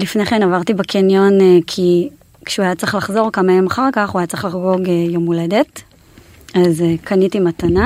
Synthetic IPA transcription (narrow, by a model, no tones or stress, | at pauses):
lifneχenavaʁt̪ibakʰinjo̞nkʰi | kʃuajat͡sʁiχlaχzo̞ʁkamajemaχaʁkaχuajat͡sʁeχlaχɡo̞ɡejomule̞de̞t | azekʰanitimatana